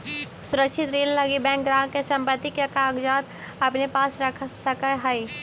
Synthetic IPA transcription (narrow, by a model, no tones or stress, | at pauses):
sʊɾəkʃʰɪt̪ɾeːlləɡibɛ̃ːŋkɡɾaːɦkesə̃mpət̪ːikekaːɡd͡ʒaːt̪ | ɐpnepaːsɾəkʰsəkəɦai